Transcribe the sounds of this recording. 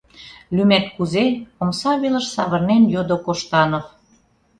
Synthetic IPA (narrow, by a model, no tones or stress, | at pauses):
lymæt̪̚kuzeomsɑβelə̆ʃsɑβɤ̆rnenjod̪okoʃt̪ɑnɤ̆f